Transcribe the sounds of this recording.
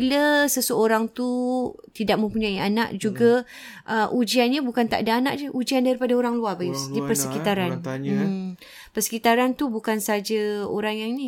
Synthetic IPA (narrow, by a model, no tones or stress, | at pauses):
iləsəsəoɾaŋt̪ut̪idaʔ̚mə̃mpuɲaianaʔd͡ʒuɡa | ʔəʔud͡ʒianɲabukant̪a̰ʔdaanaʔd͡ʒəʔud͡ʒiandaɾipadaoɾaŋluabajʊsdipərsəkit̪aɾan | pərsə̥kit̪aɾant̪ubukansaad͡ʒaoɾaŋjaŋini